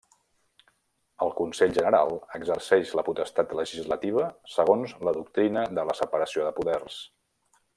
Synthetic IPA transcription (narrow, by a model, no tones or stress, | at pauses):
əlˠkunsɛʎʲʒənəɾalˠəɡzərsɛʒləput̪əst̪at̪ləʒizlət̪iβ̞əsəɣ̞onzləðuk̚t̪ɾinəðələsəpəɾəsioðəpuðɛrs